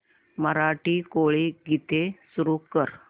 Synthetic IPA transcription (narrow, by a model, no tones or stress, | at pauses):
məɾaʈiːkoɭiɡʱit̪esuɾukəɾ